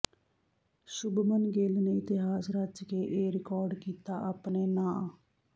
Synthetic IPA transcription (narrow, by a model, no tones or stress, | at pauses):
sʊbmənɡeːlneːɪt̪ɪɦaːsɾəd͡ʒkeːʔeːɾɪkɔːɾɖkiːt̪aːʔaːpneːnãː